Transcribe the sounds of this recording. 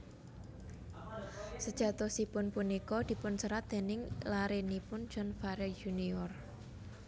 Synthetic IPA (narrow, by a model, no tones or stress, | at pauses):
səd̥ʒ̥ä̤t̪ɔsipʊnpunikɔd̪̥i̤pʊnsəɾat̪d̪̥e̤nɪŋlaɾenipʊn̥d͡ʒ̥ɔnfaɾɛd͡ʒuniɔr